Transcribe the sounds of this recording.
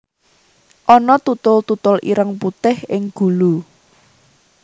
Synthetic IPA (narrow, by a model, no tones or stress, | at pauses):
ʔɔnɔt̪ut̪ʊlt̪ut̪ʊlʔiɾəŋput̪ɪhɪŋɡ̥ṳlu